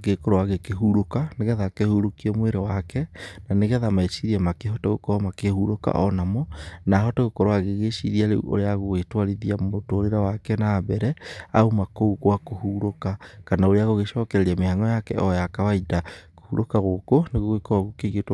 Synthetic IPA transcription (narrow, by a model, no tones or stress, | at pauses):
ɣekoɾoaɣekeɦuɾokaneɣɛðakehuɾokiɛmweɾewakɛnaneɣɛðamaeʃiɾiɛmakeɦɔtaɣokɔɾɔmakehuɾoka̰ʔɔnamɔnaːɦɔtaɣokɔɾwaɣeɣeʃiɾiaɾeṵʔo̰ɾeaɣoɣetwaɾiðiaotoːɾeɾawakɛnaːbɛɾɛaumakouɣwakohuɾokakanaoɾeaɣoɣeʃɔːkɛɾɛɾiamehaŋɔjakɛɔjakawaidako̥huɾokaɣokoneɣoɣekoɾwaɣokeɣet